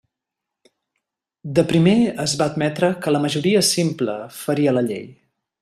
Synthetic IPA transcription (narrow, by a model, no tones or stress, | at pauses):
d̪əpɾimeəzβaəd̪mɛt̪ɾəkələməʒuɾiəsimplə̰fəɾiələʎḛj